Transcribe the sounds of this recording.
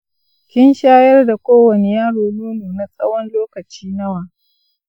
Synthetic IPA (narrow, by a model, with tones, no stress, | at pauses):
kʲɪ˦nʃaː˦jɐ˦rda˨kʷoː˦wɐ˨ne˨jaː˦ɽoː˨nuː˦nuː˨na˦sʼɐ˦wɐ˦nloː˦kɐ˨t͡ʃiː˦nɐ˦waː˨